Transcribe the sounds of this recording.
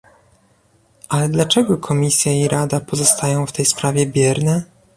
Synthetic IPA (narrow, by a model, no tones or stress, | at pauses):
ʔalɛd̪lat͡ʂɛɡɔkʰɔmʲisʲjaiɾʔad̪apɔzɔst̪ajɔ̃w̃ft̪ɛjspɾavʲɛbʲjɛɾnɛ